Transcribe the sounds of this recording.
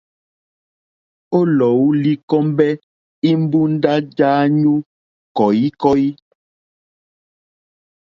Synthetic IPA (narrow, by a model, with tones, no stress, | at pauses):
o˦lɔ˨wu˦li˦kɔ˦mbɛ˦ | i˦m̩˦bu˦n˦da˦d͡ʒaː˦ɲu˦ | kɔ˨i˦kɔ˦i˦